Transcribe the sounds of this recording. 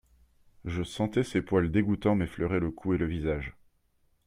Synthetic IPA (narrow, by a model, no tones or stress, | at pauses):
ʒəsɑ̃t̪ɛsepwald̪eɡut̪ɑ̃mɛflœʁeləkʰueləvizaʒ